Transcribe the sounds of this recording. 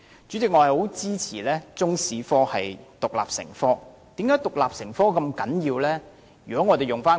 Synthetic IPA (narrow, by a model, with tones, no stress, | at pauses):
t͡ʃy˨˥t͡sɪ˨k̚ŋɔː˨˧˥ɐ˨jho˨˥wt͡siː˥t͡sʰiː˨˩lɛː˥t͡sʊ˥ŋsiː˨fɔː˥hɐ̰˨jt̪ʊ˨k̚la̰ː˨p̚sɪ̰˨˩ŋfɔː˥ | t̪iː˨˥mkaː˨˥jt̪ʊ˨k̚laː˨p̚sɪ˨˩ŋfɔː˥kɐ˧mkɐ˨˥njiː˧wlɛː˥ | jyː˨˩kɔ˨˥ŋɔː˨˧t̪e˨jʊ˨ŋfaː˥